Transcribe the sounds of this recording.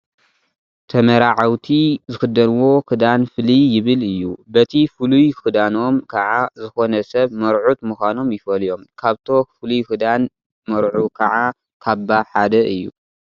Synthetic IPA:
t̪ʰɐmɐɾaʕawt̪ʰizɨxɨd̪ːɐnwo̞kɨd̪anfɨlijɪβɨlɨjːubɐt̪ʰifɨlujkɨd̪ano̞mkʰɐʕazɨxo̞nɐsɐβmɐɾʕut̪muxʷano̞mjɪfɐljo̞mkʰaβt̪ʰo̞fɨlujkɨd̪an | mɐɾʕukʰɐʕa | kʰaβːaħad̪ɐʔɨjːṵ

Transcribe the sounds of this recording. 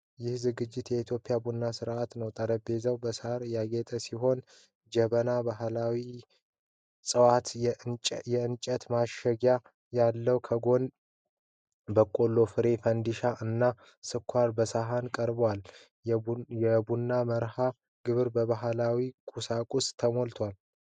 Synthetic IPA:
jɪhzɨɡɨd͡ʒːɪt̪jɛit̪ʰjo̞pʼːɪjabunːasɨɾʔat̪nəwt̪ʼəɾəbe̞zəwbəsaɾjaɡet̪ʼəsiɦo̞n | d͡ʒəβənabaɦlawi | sʼəwat̪ʼ | jɛɨnt͡ʃʼət̪maʃəɡja | jalːəwkʰəɡo̞n | bəkʼo̞lːo̞fɨɾe̞fənd̪iʃaʔɨnːa | sɨkʷʰwaɾbəsaɦankʼəɾbwal | jɛbunːaməɾha | ɡ̥ɨβɨɾbəβaɦlawikʼusakʼust̪ʰəmolt̪ʰwal

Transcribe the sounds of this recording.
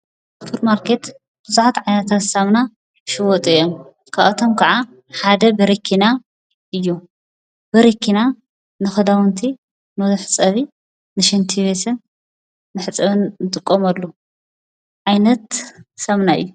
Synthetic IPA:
fʰuɾmaɾkʰet̪ | b̥ɨzuħat̪ʕajnɐt̪ʰat̪sɐmna | ʃɨwɔt̪ʼɨjom | kʰaβɐt̪ʰomkʰɐʕa | ħad̪ɐbɐɾikʰina | ʔɨjːu | bɐɾikʰːina | nɨxɐd̪awɨnt̪ʰi | nɨzɨħɨt͡sʼːɐβi | nɨʃint̪ʰiβesɨnː | ɨħɨt͡sʼɐβɨnːɨt̪ʼɨkʼːomɐlːu | ʕajnɐt̪sɐmnaɨ̰jːu

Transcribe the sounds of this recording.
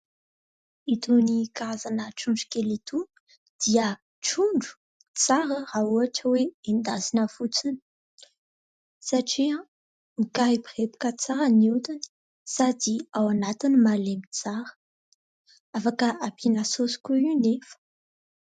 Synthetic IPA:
it̪unikaazanəʈ͡ʂuɳɖ͡ʐu̥kelit̪u | d̪̥iə | ʈ͡ʂuɳɖ͡ʐu̥ | t͡saɾəɾauaʈ͡ʂəweend̪azinəfut͡sini̥ | saʈ͡ʂiã | ikaipχepu̥kət͡saɾəniut̪ani̥ | sad̪iawanat̪inimalemit͡saɾə̥ | afakəʔapʰinasosu̥kʲuinefə̥

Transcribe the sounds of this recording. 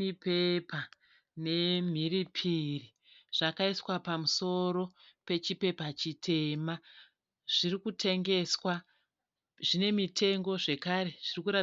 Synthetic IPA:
ipepa | ne̞m̤iripʰiri | ʐ̥akaiswapamuso̞ɾo̞pe̞t͡ʃipe̞pat͡ʃitʰe̞ma | ʐ̥irikutʰe̞ŋɡe̞swa | ʐine̞mitʰe̞ŋɡo̞ʐe̞kaɾe̞ʐ̥irikuɾa

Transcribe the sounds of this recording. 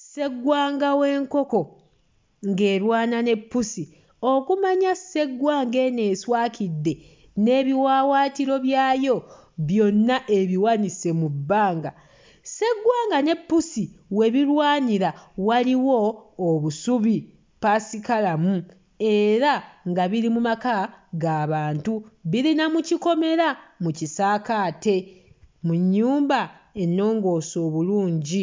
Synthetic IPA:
se̞ɡwaːŋɡawe̞ːŋko̞ko̞ | ŋɡe̞ːɾwaːnane̞pːusi | o̞kumaɲase̞ɡwaːŋɡe̞ne̞ːswaːkʰidːe̞ | ne̞ːβiwaːwaːtiɾo̞βjaːjo̞ | βjo̞nːaʔe̞βiwanise̞mubːaːŋɡa̰ | se̞ɡːwaːŋɡane̞pːusiwe̞βiɾwaːɲiɾawaliwo̞ːβusuβi | pasikalamu | e̞ɾaŋɡaβiɾimumakaɡaːβaːntuβiɾinamuciko̞me̞ɾamucisaːkaːte̞muɲːuːmba | e̞nːo̞ːŋɡo̞so̞ːβuluːɲɟi

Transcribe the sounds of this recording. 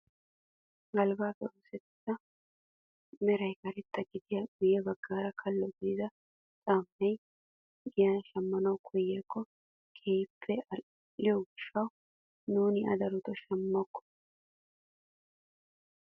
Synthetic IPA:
ɡɐlbaːbɛosɛt̪ːɐ | mɛɾɐjkɐɾɛt̪ːɐɡɪd̪ɪjɐɡʊjɛbɐɡːaːɾɐkʰɐlːɔɡd̪ɪd̪ɐ | t͡sʼaːmːɛj | ɡɪjɐnʃɐmːɐnɐwkʰɔjːɛːkːɔ | kʰeːpʰːɛ | lɪjɔɡɪʃːɐw | nuːnɪɐ̰d̪ɐɾʊt̪ɔʃɐmːɔkːɔ̥

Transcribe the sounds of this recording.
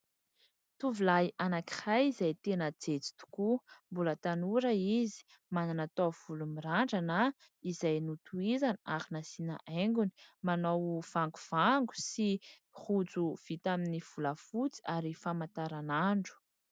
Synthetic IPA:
t̪uvilajanaki̥hajizajt̪enəd͡zet͡si̥t̪u̥kumbulət̪anuɾaizi̥ | mananat̪ov̥ulumiɾaɳɖ͡ʐana | izajnut̪uizanaɾinasina̰ʔeŋɡuni̥manowv̥aŋɡuv̥aŋɡu̥si | hud͡zuv̥it̪aminiv̥uləfut͡si̥aɾifamant̪aɾanaɳɖ͡ʐu̥

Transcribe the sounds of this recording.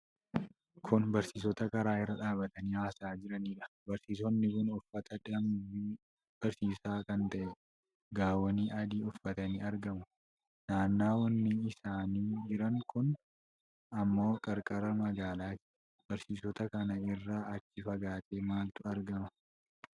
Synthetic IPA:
kʰʊnbɐɾsiːs̬ɔt̪ɐkɐɾaːɪrːɐᶑaːbɐt̪ɐniːhaːsaːd͡ʒɪɾɐniːᶑɐ̥bɐɾsiːs̬ɔnːɪkʊnʊfːɐt̪ɐdɐmbiː | b̥ɐɾsiːsaːkɐnt̪ɐʔɛ | ɡaːwɐniːʔɐd̪iːʊfːɐt̪ɐniːɐɾɡɐmʊ | naːnːaːwɐnːɪɪsaːniːd͡ʒɪɾɐŋkʊn | ɐmːo̞ːkʼɐɾkʼɐɾɐmɐɡaːlaːt̪ɪ̥ | b̥ɐɾsiːsɔt̪ɐkɐnɐɪrːaːʔɐt͡ʃːɪfɐɡaːt̪ʼeːmaːlt̪ʊɐɾɡɐmɐ

